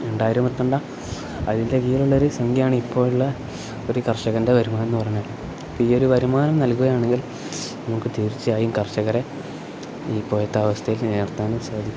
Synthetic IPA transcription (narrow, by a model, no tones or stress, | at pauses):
eɳɖaːjiɾumpɐt̪ːuɳɖa | ɐ̰ðindekijiluɭːɐo̞ɾusɐŋɡijaːɳɨipːo̞ːɻuɭːɐ | oɾukɐrʂɐɣɐnde̞ʋɐɾumaːnenːɨpɐrɐɲːoːɭː | oiːo̞ɾuʋɐɾumaːnɐmnɐlkuɣɐjaːɳe̞ŋɡil | nɐmukːɨt̪iːɾit͡ɕːɨaːjumkɐrʂɐɣɐre̞ | iːpoːjɐt̪ːɐːʋɐst̪ʰɐjilne̞ːrt̪aːnɐmsaːd̪ʱikː